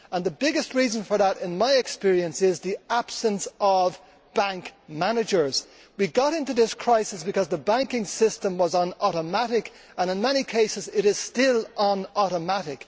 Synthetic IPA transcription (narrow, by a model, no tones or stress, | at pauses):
ə̃nðəbɪɡɨst̚ɹiːzə̃nfə˞ðəɾɪ̃nmaɪɨkspɪɹiə̃nsɪzðiab̥sə̃nsəv | b̥æ̃ŋkmænɨd͡ʒə˞z̥ | wiɡɑɾɪ̃ntuðɪskʰɹ̥aɪsɨsb̥ɨkʌzðəbæ̃ŋkɪ̃ŋsɪstə̃mwʌzə̃n̩ɔɾəmaɾɪk | ə̃nɪ̃nmɛñikʰeɪsɨzɪɾɪz̥stɪlə̃nɔɾəmaɾɪk